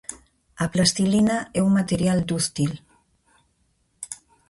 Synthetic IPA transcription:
aplast̪ilinaɛuŋmat̪eɾjald̪ust̪il

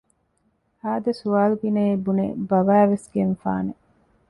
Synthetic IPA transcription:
haːd̪ɐsuaːluɡineebunḛbɐʋæːʋesɡenfa̰ːne

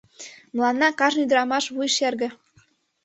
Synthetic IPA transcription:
mə̆lˠɑnːɑkɑʒnyd̪ɤɾɑmɑʃβujʃerɣɘ̆

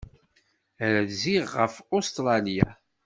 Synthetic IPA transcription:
ɾæðziʁːəfost̪ɾˤɑlja̰

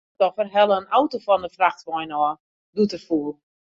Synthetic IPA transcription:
tɔfərɦɛləənawtofɔndəfraxtʋɔjnɔː | dutəfuːlˠ

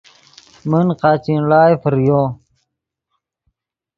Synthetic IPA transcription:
mənqaːt͡ɕinlaːjfəɾjo

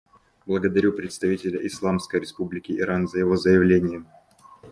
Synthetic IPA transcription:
blˠəɡəd̪ɐɾʲupɾʲɪt̪st̪ɐvʲitʲɪlʲəʔɪslˠamskəjɾʲɪspublʲɪkʲɪːɾanzəjɪvo̞zəjɪvlʲenʲɪjəm

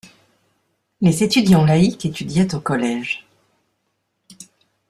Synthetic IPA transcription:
lezet̪yd̪jɑ̃laikʲet̪yd̪jɛt̪okɔlɛʒ

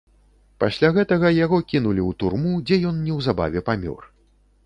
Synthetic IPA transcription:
pasʲlʲaɣɛt̪ɐɣɐjaɣɔkʲinulʲiwt̪urmud͡zʲɛjɔnnʲɛwzaba̰vʲɛpamʲɔ̰r

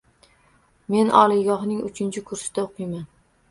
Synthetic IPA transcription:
me̞nɒ̰lˠɪɡɒhnɪŋʊ̰t͡ʃʰɪnt͡ʃʰɪkʰʊɾsɪ̥d̪aoqʰɨjman

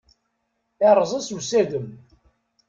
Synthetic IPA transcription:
æɾˤzˤəsusæðəm

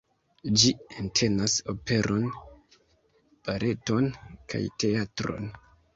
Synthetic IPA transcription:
d͡ʒientʰe̞naso̞pe̞ɾʔo̞n | b̥aɾʔe̞to̞nkʰa̰jte̞atɾo̞̰n

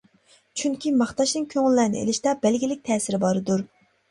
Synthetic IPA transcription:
t͡ʃʰyŋkʲʰimɑχt̪ɑʃnɨŋkʲʰøŋɪlːæɾnɪ̰ḛlɪʃt̪ɑbɛlɡʲilɪk̚ʲt̪ʰɛːsɪɾɪbɑɾɨd̪uɾ

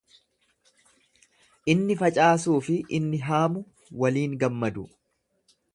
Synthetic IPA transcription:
ʔɪnːɪfɐt͡ʃʼaːsuːfɪʔɪnːɪɦaːmʊ | wɐliːŋɡɐmːɐd̪ʊ

